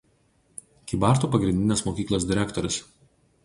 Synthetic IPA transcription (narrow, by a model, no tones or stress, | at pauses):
kʲibɑˑɾt̪uːpɐɡɾʲɪnʲd̪ʲɪnʲeːsmoːkʲiːklˠoːsd̪ʲɪɾʲækt̪ɔɾʲʊs